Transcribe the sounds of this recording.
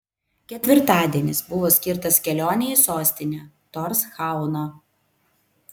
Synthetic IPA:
kʲɛt̪ʲʋʲɪɾt̪ɑːd̪ʲiɛnʲɪsbʊʋoːsʲkʲɪɾt̪ɐsʲkʲɛlʲoːnʲɛjisoːsʲt̪ʲɪnʲɛː | t̪ɔɾsxɑˑʊno

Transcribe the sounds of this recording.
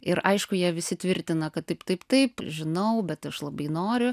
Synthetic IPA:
ɪɾʔɐɪʃkʊjiɛʋʲɪsʲɪt̪ʲʋʲɪɾʲt̪ʲɪnɐkɐt̪tɐɪpt̪ɐɪpt̪ɐɪpʒʲɪnɐʊbʲɛt̪ɐʃlˠɐbɐɪnoːɾʲʊ

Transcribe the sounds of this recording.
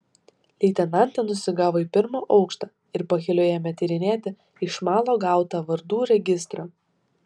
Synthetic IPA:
lʲɛɪt̪ʲɛnɑˑnʲt̪ʲɛnʊsʲɪɡɑːʋoːiːpʲɪɾmoːʔɒʊkʃt̪ɑː | ɪɾpɐxʲɪlʲoːjɛmʲɛt̪ʲɛɾʲɪnʲeːt̪ʲɪ | ɪʃmɑːlˠoːɡɑˑʊt̪ɑːʋɐɾd̪uːɾʲɛɡʲɪst̪ɾoː

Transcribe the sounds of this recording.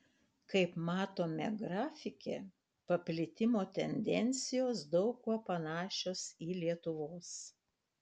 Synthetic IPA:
kɐɪpmɑːt̪oːmʲɛ̰ɡɾɑːfʲɪkʲe | pɐpʲlʲɪt̪ʲɪmoːt̪ʲɛnʲd̪ʲɛnʲt̪sʲɪjoːsd̪ɒʊkuɔpɐnɑːʃʲoːsiːlʲiɛt̪ʊʋoːs

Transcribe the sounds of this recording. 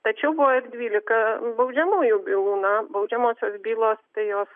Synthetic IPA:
t̪ɐt͡ʃʲɛbɔɪrdʲʋʲiːlʲɪkɐbɐʊd͡ʒʲɛmuːjʊbʲilˠuːnɐbɐʊd͡ʒʲɛmoːsʲoːsbʲiːlˠoːst̪ɪjoːs

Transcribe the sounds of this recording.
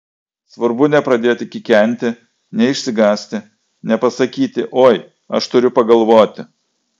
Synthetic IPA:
sʋɐɾbʊnʲɛpɾɐd̪ʲeːt̪ʲɪkʲɪkʲɛnʲt̪ʲɪ | nʲɛɪʃʲsʲɪɡɑːsʲt̪ʲɪ | nʲɛpɐsɐkʲiːt̪ʲɪʔoːj | ɐ̰ʃt̪ʊɾʲʊpɐɡɐlˠʋoːt̪ʲɪ

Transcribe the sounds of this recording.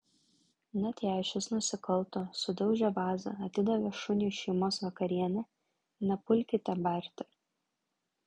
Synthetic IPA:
nɐt̪ʲæːʃʲʊsnʊsʲɪkɐlˠt̪oːsʊd̪ɐʊʒʲɛʋɑːzɐ̰ɐt̪ʲɪd̪ɐʋʲɛʃʊnʲiːʃʲɛɪmoːsʋɐkɐɾʲiɛnʲɛ | nɐpʊlʲkʲɪt̪ʲɛbɐˑɾʲt̪ʲɪ

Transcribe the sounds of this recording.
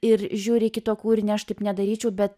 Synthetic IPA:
ɪɾʒʲuːɾʲɪkʲɪt̪oːkuːɪɾʲnʲɛɐʃt̪ɐɪpnʲɛd̪ɐɾʲiːt͡ʃʲɛʊbʲɛt̪

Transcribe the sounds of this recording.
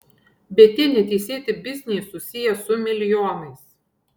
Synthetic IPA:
bʲɛt̪ʲɪnʲɪt̪ʲɛɪsʲeːt̪ʲɪbʲɪzʲnʲiːsʊsʲɪjɛsʊmʲɪlʲjɔːnɐɪs

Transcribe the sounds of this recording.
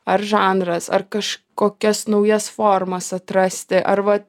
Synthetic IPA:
ɐɾʒɑːnɾɐsɐ̰ɾkɐʃkoːkʲɛsnɐʊjɛsfoːɾmɐsɐt̪ɾɐsʲt̪ʲɪʔɐɾʋɐ

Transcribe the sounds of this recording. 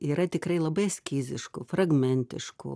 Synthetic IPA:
iːɾɐt̪ʲɪkɾɐɪlˠɐbɐɪsʲkʲiːzʲɪʃkʊfrɐɡmʲɛnʲt̪ʲɪ̰ʃkʊ̰

